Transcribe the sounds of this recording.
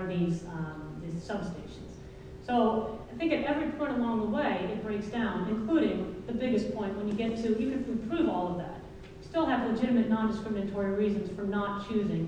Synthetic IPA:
ðiz̥ðizsʌb̥steɪʃn̩z̥ | soʊaɪθɪ̃ŋkɨɾɛvɹipʰɔ̃ɪ̃ɾ̃əlɔ̃ŋðəweɪɨt̚b̥ɹeɪksd̥ãʊ̃nɨ̃nkʰl̥uɾɪ̃ŋðɨbɪɡɨspʰɔ̃ɪ̃nʔ̚wə̃njɨɡɛtʰɨjɨkɨ̃nɨ̃pʰɹ̥ʉvɔlˠʌvðæt̚ | jɨstɪlˠɨvləd͡ʒɪɾɨmɨtⁿnɑ̃ndɨskɹɪmɨnɨtʰɔɹiɹizɨ̃nz̥fə˞nət̚t͡ʃʰʉzɪ̃ŋ

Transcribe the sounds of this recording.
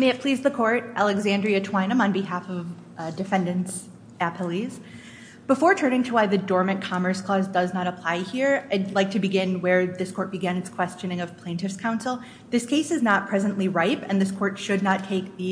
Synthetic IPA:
meɪɨt̚pʰl̥izðɨkʰɔɹɾʔælˠɨɡzæ̃ndɹiɨtʰw̥ãɪ̃nə̃mə̃nbɨɦæfʌv | dɨfɛ̃ndɨ̃ns | æpʰlˠiz̥ | b̥əfɔɹtʰɜ̃˞nɪ̃ŋtʰəwaɪðɨdɔɹmɨ̃nkʰɑmə˞skʰl̥ɔzdʌznəɾəpʰl̥aɪhiɹaɪlaɪk̚tʰɨbɨɡɪ̃nwə˞ðɪskʰɔɹt̚b̥ɨɡæ̃nɨtskʰw̥ɛst͡ʃɨ̃nɪ̃ŋʌv̥pʰl̥ẽɪ̃ntɨfskʰãʊ̃nsl̩ˠ | ðɪskʰeɪsɨznət̚pʰɹ̥ɛzɨ̃nʔliɹaɪpɨ̰̃nðɪskʰɔɹtʃɨdⁿnətʰeɪk̚ði

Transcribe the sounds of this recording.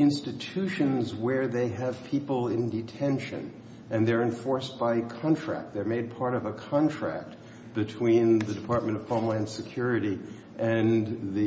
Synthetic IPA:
ɪ̃nstɨtʰʉʃɨ̃nzwə˞ðeɪɨv̥pʰipl̩ˠɪ̃ndɨtʰɛ̃nʃɨ̰̃n | ʔɨ̃nðə˞ɨ̃ɱfɔɹsb̥aɪkʰɑ̃ntʰɹ̥æ̰k̚t̪̚ðə˞meɪd̚pʰɑɹɾʌvəkʰɑ̃ntʰɹ̥æ̰k̚t̚ | b̥ɨtʰw̥ĩnðɨdɨpʰɑɹt̚mɨ̃ɾ̃ʌv̥pʰɑmlãɪ̃nsɨkʰj̥ʊɹɨɾi | ʔɨ̃nði

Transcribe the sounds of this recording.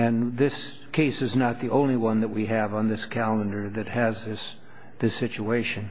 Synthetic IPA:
ɨ̃nðɪs | kʰeɪsɨznət̪̚ðiʔõʊ̃nliwʌ̃nðɨt̚wiɨvn̩ðɪskʰælˠə̃ndə˞ðɨt̚hɨzðɪs | ðɪsɪt͡ʃueɪʃɨ̃n

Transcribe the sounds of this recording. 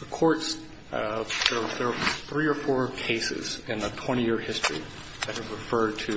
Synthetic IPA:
ðəkʰɔɹts | ðə˞ðə˞θɹiə˞fɔɹkʰeɪsɨ̰z̥ɨ̃nðətʰw̥ɛ̃ɾ̃ijɪɹhɪstɹ̥ḭ | ðɨt̚hɨvɹɨfɜ˞d̚tʰɨ

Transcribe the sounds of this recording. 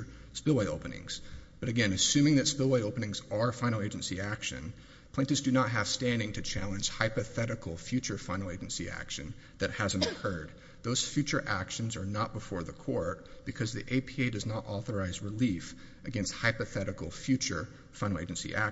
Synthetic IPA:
spɪlˠweɪoʊpɨnɪ̰̃ŋz̥b̥ʌɾɨɡɛ̃nɨsʉ̃mɪ̃ŋðɨtspɪlˠweɪoʊpənɪ̃ŋzə˞fãɪ̃nl̩ˠeɪd͡ʒɨ̃nsiækʃɨ̰̃n | pʰɪ̃tɨzdɨnət̚ɦɨv̥stæ̃ndɪ̃ŋtʰɨt͡ʃʰælˠə̃nd͡ʒ̥haɪpɨθɛɾɨkl̩ˠfjʉt͡ʃə˞fãɪ̃nl̩ˠeɪd͡ʒɨ̃n̩siæ̰kʃɨ̃n | ðɨt̚hæzɨ̃nkʰɜ˞d̪̚ | ðoʊz̥fjʉt͡ʃə˞ʔækʃɨ̃n̩zə˞nət̚b̥əfɔɹðəkʰɔɹt̚b̥ɨkʰʌzðiʔeɪpʰieɪdʌznəɾʔɔθə˞aɪzɹɨlifʔɨɡɛ̃nst̚haɪpɨθɛɾɨkl̩ˠfjʉt͡ʃə̰˞ | fãɪ̃l̩ˠeɪd͡ʒɨ̃nsḭʔæk

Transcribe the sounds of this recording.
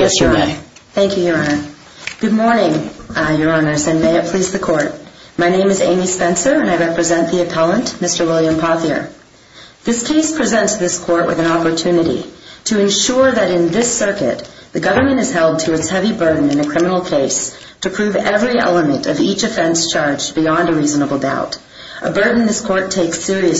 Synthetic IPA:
jɛsjə˞nə | θæ̃ŋkʰjʉjə˞ɑnə˞ | ɡ̥ʊd̚mɔɹnɪ̃ŋjə˞ɑnə˞zɨ̃nmeɪɨpʰl̥izðɨkʰɔɹt̚maɪnẽɪ̃mɨzḛ̃ɪ̃mispɛ̃nsə˞ɨ̃naɪɹɛpɹɨzɛ̃nðiɨpʰælˠə̃nʔmɪstə˞wɪlˠjɨ̃mpʰɑθiə̰˞ | ðɪskʰeɪspʰɹ̥izɛ̃ntsðɪskʰɔɹʔ̚wʔɨ̰ðɨ̃nɑpə˞tʰʉnɨɾḭɾɨɨ̃nʃʊɹðɨɾɨ̃nðɪsɜ˞kɨ̰t̪̚ | ðɨɡʌvə˞mɨ̃ñɨz̥hɛlˠd̚tʰɨɨtshɛvibɜ˞dⁿn̩ɨ̃nɨkʰɹ̥ɪ̃mənl̩ˠkʰeɪs | tʰɨpʰɹ̥ʉvɛvɹiɛ̰lˠəmɨ̃ntʌvit͡ʃɨfɛ̃nst͡ʃʰɑɹd͡ʒbiɑ̃ndɨɹiznəbl̩ˠda̰ʊɾ | ʔəbɜ˞dⁿn̩ðɪskʰɔɹtʰeɪksɪɹiɨ

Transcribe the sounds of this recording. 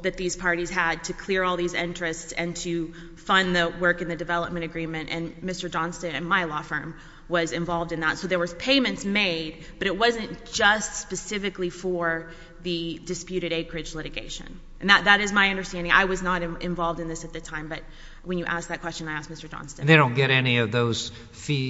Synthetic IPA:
ðɨt̪̚ðiz̥pʰɑɹɾiz̥əd̚tʰɨkʰl̥ɪɹɔlˠðizɪ̰̃nt͡ʃɹ̥ɨstsɨ̃ntʰɨ | fʌ̃nðɨwɜ˞kɨ̃nðɨdɨvɛlˠəp̚mɨ̃ɾ̃ɨɡɹĩmɨ̃ntɨ̃nmɪstə˞d͡ʒɑ̃nstɨ̃nɨ̃nmaɪlɔfɜ̃˞m | wʌzɨ̃ɱvɑlˠvdɨ̃nðətsoʊðə˞wʌz̥pʰeɪ̃mɨ̃ntsmeɪd̚ | b̥ʌɾɨt̚wʌzɨ̃nd̥ʒ̥ʌstspɨsɪfɨklifə˞ | ðɨdɨspjʉɾɨɾeɪkʰɹ̥ɨd͡ʒlɪɾɨɡḛɪʃɨ̰̃n | ɨ̃n̩ðət̪̚ðɨɾɨzmaɪʌ̃ndə˞stæ̃ndɪ̃ŋʔa̰ɪwʌznəɾɨ̃ʔɨ̃ɱvɑlˠvdɨ̃nðɪsɨt̪̚ðɨtʰãɪ̃mbʌt̚ | wɨ̃njɨʔæsk̚ðɨt̚kʰw̥ɛst͡ʃɨ̃naɪæsk̚mɪstə˞d͡ʒɑ̰̃nstɨ̃nðeɪɾõʊ̃nɡ̥ɛɾɛniʌvðoʊz̥ | fi

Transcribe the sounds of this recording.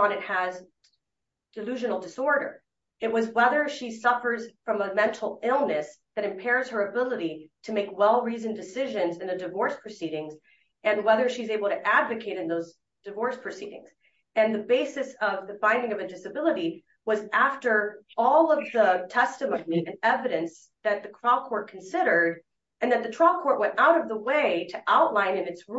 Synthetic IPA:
ə̃nɨt̚həz | d̥ɨlʉʒɨ̃nl̩ˠdɨsɔɹɾə̰˞ | ɨt̚wʌzwɛðə˞ʃisʌfə˞z̥fɹʌ̃məmɛ̃ntʰˡl̩ˠɪlˠnɨs | ðɨɾɨ̃mpʰɛɹz̥ə˞ɨbɪlˠəɾiɾɨmeɪkwɛlˠɹizɨ̃ndɨsɪʒɨ̃nzɨ̃nðɨdɨvɔɹspʰɹ̥ɨsiɾɪ̃ŋz | ɨ̃nwɛðə˞ʃizeɪbl̩ˠtʰɨʔædvɨkʰeɪɾɨ̃nðoʊz | d̥ɨvɔɹspʰɹ̥ɨsiɾɪ̰̃ŋz̥ | ɨ̃nðɨbeɪsɨsʌvðɨfãɪ̃ndɪ̃ŋʌvɨdɪsɨbɪlˠəɾi | wʌzæftə˞ɔlˠʌvðətʰɛstɨmõniɨ̃nɛvɨɾɨ̃ns | ðɨt̪̚ðɨtʰɹ̥aɪlˠkʰɔɹt̚kʰn̩sɪɾə˞ɾ | ɨ̃nðɨt̪̚ðɨtʰɹ̥aɪlˠkʰɔɹʔ̚wɛ̃ntaʊɾʌvðəweɪɾɨʔaʊʔˡlãɪ̃nɨ̃nɨtsɹ

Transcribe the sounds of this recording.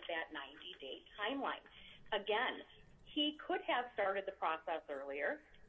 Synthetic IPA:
ðɨtⁿnãɪ̃ndideɪtʰãɪ̃mlã̰ɪ̃nɨɡɛ̃n | ikʰʊd̚ɨv̥stɑɹɾɨd̪̚ðɨpʰɹ̥ɔsɛsɜ˞lˠiə˞

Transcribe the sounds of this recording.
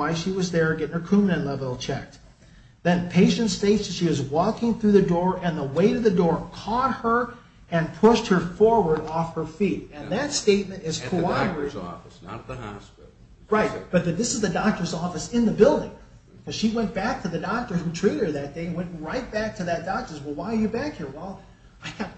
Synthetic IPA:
waɪʃiwʌzðə˞ɡɛɾɪ̃ŋə˞kʰʉmnɨ̃nlɛvɪl̩ˠt͡ʃʰɛk̚t̚ | ðɨ̃npʰeɪʃɨ̃ntsteɪɨʃiwʌzwɔkɪ̃ŋθɹʉðɨdɔɹɨ̃nðəweɪɾɨðɨdɔɹkʰɔt̚hə˞ | ɨ̃npʰʊʃt̚hə˞fɔɹwə˞ɾɔfhə˞fiɾɨ̃nðɨtsteɪt̚mɨ̃ntɨz̥kʰoɑɾə˞ɪɔ̰ | ɑ̰spɪ | ɹaɪt̚b̥ʌt̪̚ðɨt̪̚ðɪsɨzðɨdɑk̚tə˞zɔfɨsɪ̃nðəbɪlˠdɪ̰̃ŋ | kʰʌz̥ʃiwɛ̃nb̥æk̚tʰɨðɨdɑk̚tə˞hʉtʰɹ̥iɾəd̪̚ðɨt̚d̥eɪɨ̃nwɛ̃ntɹaɪt̚b̥æk̚tʰɨðɨt̚d̥ɑk̚tə˞zwɛlˠwaɪə˞jɨbækhiɹwɛlˠ | aɪɡ

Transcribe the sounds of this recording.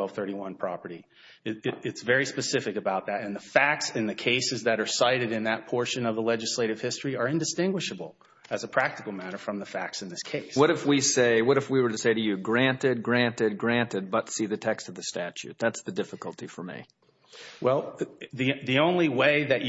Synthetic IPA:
ɛlˠv̥θɜ˞ɾiwʌ̃npʰɹ̥ɑpə˞ɾi | ɨɨɨtsvɛɹispɨsɪfɨkɨbaʊt̪̚ðɨɾɨ̃nðəfæk̚tsɨ̃nðɨkʰeɪsɨzðɨɾə˞saɪɾɨɾɨ̃nðɨt̚pʰɔɹʃɨ̃nʌvðəlɛd͡ʒɨsleɪɾɨv̥hɪstɹ̥iə˞ɪ̃ndɨstɪ̃ŋɡwɨʃɨbl̩ˠ | ɨzəpʰɹ̥æk̚tɨkl̩ˠmæɾə˞fɹʌ̃mðəfæk̚tsn̩ðɪskʰeɪswʌɾɨfwiseɪwʌɾɨfwiwə˞ɾɨseɪɾɨjɨɡɹæ̃ntɪd̚ɡɹæ̃ntɪd̚ɡɹæ̃ntɨd̚bʌtsiðɨtʰɛkstʌvðɨstæt͡ʃʉ̰t̪̚ðætsðɨdɪfɨkl̩ˠtʰifə˞mḭ | wʔɛlˠðiðiõʊ̃nliweɪðɨt͡ʃ

